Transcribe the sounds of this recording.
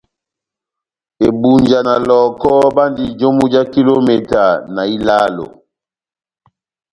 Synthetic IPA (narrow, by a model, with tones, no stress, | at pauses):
e˨bu˨ɲd͡ʒa˨na˨lɔ˨kɔ˦ba˦ndi˦d͡ʒo˦mu˦d͡ʒa˦ki˦lo˦me˨ta˨na˨i˦laː˦lo̰˨